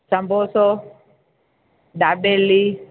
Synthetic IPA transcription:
sambɔsɔ | dabɛlːi

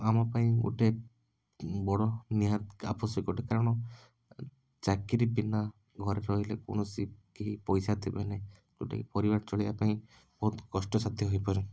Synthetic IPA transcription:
amapaĩɡṵʈe | bɔɽɔniɦat̪apɔsɔkoʈekaɾɔɽ̃ɔ | t͡ʃakiɾibina | ɡʱɔɾeɾɔɦileko̰ɳ̃ɔsikiɦipɔjsat̪ʰibene | ɡuʈḛkpɔɾibaɾt͡ʃɔɭibapaĩ | bɔɦut̪kɔsʈɔsad̪ʱjiɦojpɔɾi

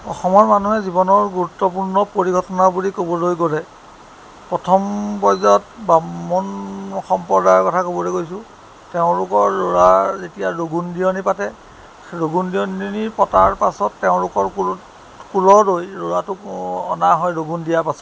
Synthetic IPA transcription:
ɔ̰xɔmɔɹmanuɦɛzibɔnɔɹɡuɹutːɔpuɹnɔpoɹiɡʱɔtɔnabulikobɔlojkoɹɛ | pɹɔtʰɔmpɔjzɔt̚baɔnxɔmpɔɹdaɹkɔtʰakobɔlojkojsʊ | teʊ̃lʊkɔɹːoɹazetijaɹoɡundiɔnipatɛ | ɹoɡundiɔnnipɔtaɹpasɔtːeʊ̃lʊkɔɹk | kulɔlojɹoɹatʊɔ̰naɦɔjɹoɡundijaɹpasɔ̥t

